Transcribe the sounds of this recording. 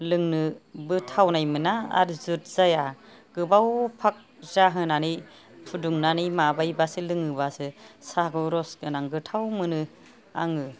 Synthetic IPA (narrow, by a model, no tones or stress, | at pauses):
lɯŋnɯbɯtʰawnajmɯnaa̰ɾzɯt̚z̥aja | ɡ̥ɯbawpʰak̚ | zaɦɯnani | pʰuduŋnanijmabajbasɯlɯŋɯbasɯsaɡɔɾɔsɡɯnaŋɡɯtʰawmɯnɯ | a̰ŋɯ